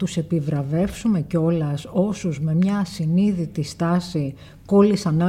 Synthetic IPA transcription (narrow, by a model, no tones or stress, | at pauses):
t̪use̞pivɾɐve̞fsume̞ceo̞lɐso̞suzme̞mɲɐsiniðit̪ist̪ɐsi | ko̞lisɐnɐ